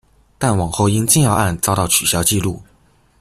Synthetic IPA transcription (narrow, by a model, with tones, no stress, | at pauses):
t̪a˥˩nwɑ˨˩ŋxo˥˧ʊi˥ŋt͡ɕi˥˧ŋjɑ˥˧ʊʔa˥˩nt͡sɑ˥ʊt̪ɑ˥˩ʊt͡ɕʰy˨˩ɕjɑ˥ʊt͡ɕi˥˧lu˥˩